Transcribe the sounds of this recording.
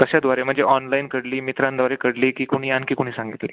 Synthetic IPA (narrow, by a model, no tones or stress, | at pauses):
t̪əɕjad̪ʋaɾem̤əɳd͡zeʔɔnlainkəɽliːmit̪ɾãnd̪ʋaɾekəɽliːkiːkuɽ̃iːjankiːkuɽ̃iːsãŋɡit̪liː